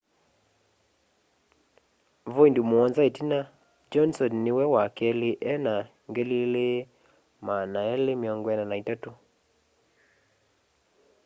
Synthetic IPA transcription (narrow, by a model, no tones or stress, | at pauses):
voindumoɔnzaetina | d͡ʒɔnsɔnːɪwɛwakɛliʔɛna | ŋɡelile | manaɛlemɔŋɡwɛnanaitato